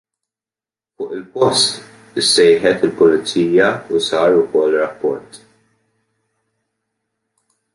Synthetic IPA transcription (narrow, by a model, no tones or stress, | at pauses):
fʊːʔɪlpɔst̪ | ɪsːɛjħɛt̪ɪlpʊlɪt͡sːiːjɐusɐːɾʊkɔʔlɾɐpːɔɾt̪